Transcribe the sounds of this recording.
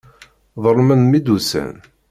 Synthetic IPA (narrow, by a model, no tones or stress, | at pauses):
ðˤəɾˤmənmid̪usæ̰n